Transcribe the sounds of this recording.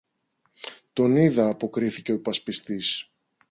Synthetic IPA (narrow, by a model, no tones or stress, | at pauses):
t̪o̞niðɐːpo̞kɾiθice̞o̞pɐspist̪is